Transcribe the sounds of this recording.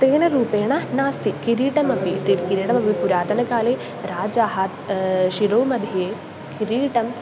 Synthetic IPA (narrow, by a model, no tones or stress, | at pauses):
t̪eːnɐɾuːpeːɳɐnaːst̪ikiɾiːʈɐmɐpit̪iɾkiɾiːʈɐmɐbʱipuɾaːt̪ɐnɐkaːleː | ɾaːd͡ʒaːɦɐt̪ʃiɾowmɐd̪ʱjeː | kiɾiːʈɐm